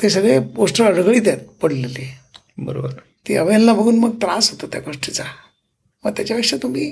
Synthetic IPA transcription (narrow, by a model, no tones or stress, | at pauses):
t̪es̬əɡɭeɡoʂʈəəɽɡɭiːt̪jat̪pəɽ̤lele | bəɾo̰bəɾ | t̪iːəʋenlabʱəɡʱuːnməɡ̚t̪ɾãsɦot̪ot̪ja̰ɡoʂʈit͡sa | məɾt̪jat͡ɕjaʋikʂat̪um̤iː